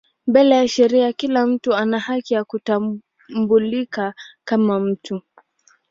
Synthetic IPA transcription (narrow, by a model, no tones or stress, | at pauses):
mbɛlɛjaʃɛɾiakilam̩tuanahakijakuta | mbulikakamam̩tu